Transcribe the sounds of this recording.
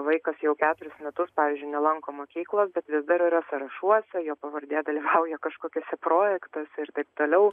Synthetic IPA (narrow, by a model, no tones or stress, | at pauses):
ʋɐɪkɐsjɛʊkʲæːt̪ʊɾʲʊsmʲɛt̪ʊspɑːʋʲiːzʲd͡ʒʲʊɪnʲɛlˠɐŋkoːmoːkʲiːklˠoːsbʲɛt̪ʋʲɪsd̪ɐɾɪɾɐsɐɾɐʃuɔsʲɛjoːpɐʋɐɾʲd̪ʲeːd̪ɐlʲiːʋɐʊjɛkɐʃkoːkʲɪsʲɛproːjɛkt̪ɐsʲɛɪɾt̪ɐɪp̚t̪oːlʲɛʊ